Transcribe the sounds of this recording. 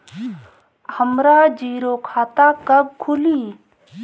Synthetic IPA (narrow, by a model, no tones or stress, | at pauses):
həmɾad͡ʒiːɾokʰaːt̪akɐɡ̚kʰʊliː